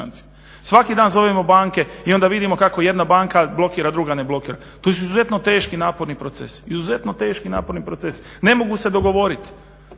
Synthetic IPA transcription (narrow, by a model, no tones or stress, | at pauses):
a̰nt̪si | sʋakid̪aːnzo̞ʋemo̞baːŋke̞io̞nd̪aʋid̪imo̞kako̞je̞d̪nabaːŋkablˠo̞kiːɾad̪ɾuɡane̞blo̞kiːɾa | t̪os̬uizuze̞t̪no̞t̪e̞ːʃkinaːpo̞ɾnipɾot̪sḛsizuze̞t̪no̞t̪e̞ːʃkina̰ːpo̞ɾnipɾot̪ses | ne̞mo̞ɡuse̞d̪o̞ɡo̞ʋo̞ɾit̪